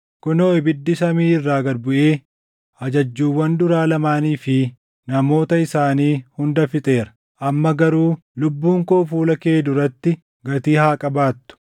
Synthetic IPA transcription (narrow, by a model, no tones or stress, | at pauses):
kʊnoːɪbɪd̪ːɪsɐmiːɪrːaːɡɐɾbʊʔeː | ʔɐd͡ʒɐd͡ʒːuːwɐnd̪ʊɾaːlɐmaːniːfɪ | nɐmo̞ːt̪ɐɪsaːniːhʊnd̪ɐfɪt̪ʼe̞ːɾɐ̥ | ʔɐmːɐɡɐɾuː | lʊbːuːŋkoːfuːlɐkeːd̪ʊɾɐt̪ːɪ | ɡɐt̪iːhaːkʼɐbaːt̪ːʊ̥